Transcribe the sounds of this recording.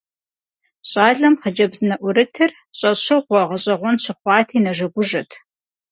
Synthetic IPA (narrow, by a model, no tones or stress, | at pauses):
ɕʼɑːɮɐmχɐd͡ʒɐbzɨnɐʔʷʊɾɨtʰɨr | ɕʼɐɕɐʁʷɔʁɐɕʼɐʁʷɔnɕʰɪχʷɑːtʰiːnɐʒɐɡʷʊʒɐtʰ